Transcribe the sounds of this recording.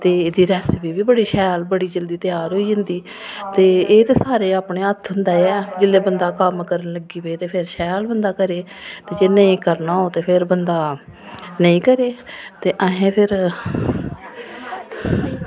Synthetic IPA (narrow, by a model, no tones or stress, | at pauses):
t̪eːɪd̪iːɾɛːsbiːbiːbəɽiːʃɛːlbəɽiːd͡ʒəld̪iːt̪ɪjaːɾɦoːiːd͡ʒə̃nd̪iː | t̪eːeːt̪eːsaːɾeːaːpɳeːət̪ʰɦʊnd̪aːɛːd͡ʒɪlːeːbənd̪aːkəmkəɾənləɡiːbeːt̪eːpʰɪɾʃɛːlbənd̪aːkəɾeː | t̪eːd͡ʒeneĩːkəɾnaːɦoːt̪eːpʰɪɾbənd̪aː | nəĩːkəɾeːt̪eːʔə̃ɦẽːpʰɪɾ